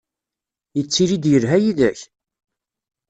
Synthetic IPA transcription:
jət͡sːiɾid̪jəɾɦæjiðæç

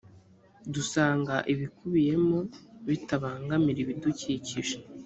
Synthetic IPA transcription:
dusaːŋɡaʔiβikuβije̞mo̞βitaβaːŋɡamiɾiβiduciciʒe̥

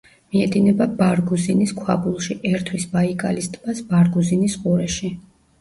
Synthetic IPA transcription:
miɛd̪inɛbabaɾɡuziniskʰwa̰bulˠʃiʔɛɾt̪ʰwisbaikʼalist̪ʼb̥asbaɾɡuzinisqʼuɾɛʃi

